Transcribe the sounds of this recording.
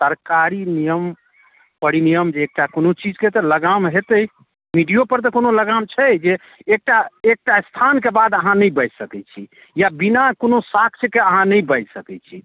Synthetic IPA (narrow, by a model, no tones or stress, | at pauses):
səɾkaɾinijəm | pəɾinijəmd͡ʒeːk̚ʈakonot͡ʃid͡ʒket̪ɔləɡamɦet̪əj | miɖijopəɾt̪ɔkonoləɡamt͡ʃʰɛd͡ʒeː | k̚ʈaek̚ʈast̪ʰankebad̪əɦãnəjbəd͡ʒsəkɛt͡ʃʰi | jabinakonosakʰt͡ʃʰkeəɦãnəjbəjd͡ʒsəkɛt͡ʃʰḭ